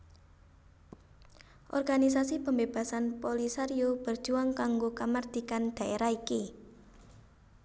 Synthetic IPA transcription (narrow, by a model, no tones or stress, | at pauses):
ʔɔ̰rɡ̥anis̬asipəmbeb̥a̤sanpolisaɾiob̥ər̥d͡ʒ̥uaŋkaŋɡokamard̪̥ikand̪̥a̤ʔeɾaiki